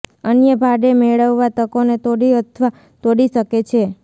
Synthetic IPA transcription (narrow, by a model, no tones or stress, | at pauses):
ənjəbʱaɖemeɭəʋːat̪əkonet̪oɽiət̪ʰʋa | t̪oɽiʃəket͡ʃʰe